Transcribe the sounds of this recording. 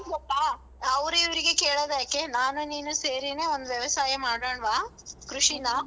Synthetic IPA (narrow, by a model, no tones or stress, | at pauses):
ɡɐpːaː | ɐʋɾuiʋɐɾiɡe̞keːɭoːd̪jaːkːenaːnuniːnuse̞ːɾineːond̪uʋjɐʋɐsaːjɐmaːɖoːɳʋaːkɾuʂinɐ